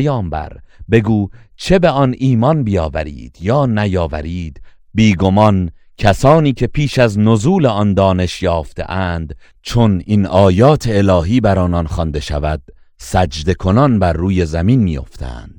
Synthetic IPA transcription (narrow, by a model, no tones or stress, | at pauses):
jɒːmbæ̰ɾbe̞ɡuːt͡ʃʰe̞beɒniːmɒnbijɒːvæɾḭːd̪̥jɒːnæjɒːvæ̰ɾiːd̪̥ | biːɡo̞mɒn | cʰæsɒːniːcʰe̞pʰiːʃæznozuːleɒnd̪ɒːne̞ʃjɒːft̪e̞̰ʔæːnd̪ | t͡ʃʰo̞ninɒːjɒːt̪ʰe̞ːlɒːɦiːbæɾɒːnɒnχɒnd̪e̞ʃævæd̪̥̚ | sæd͡ʒd̪e̞kʰo̞nɒnbæɾːuːje̞zæminmiːjo̞̰ft̪ʰæ̰nd̪̥